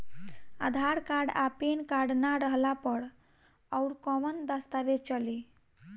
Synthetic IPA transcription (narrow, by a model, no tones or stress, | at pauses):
a̰d̪ʱaɾkaɾɖapenkaɾɖnaɾəɦlapəɾ | əʊɾkɔmənd̪əst̪aʋet͡ʃəli